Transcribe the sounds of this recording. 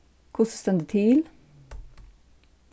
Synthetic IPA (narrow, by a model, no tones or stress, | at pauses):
kʰʊsst̪ɛnd̪ət̪ʰiːl